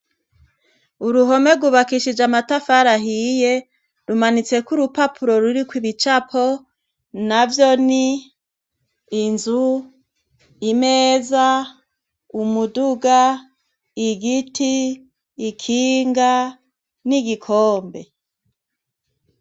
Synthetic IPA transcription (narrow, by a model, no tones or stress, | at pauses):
uɾuɦo̞me̞ɡuβakiʃid͡ʒamatafaɾaɦije | ɾumanit͡se̞kuɾupapʰuɾo̞ɾuɾikwiβit͡ʃapʰo̞ | navjoni | nzu | imeːza | umuduɡa | iɡitʰiː | kʰiːŋɡa | niɡikʰoːmbe̞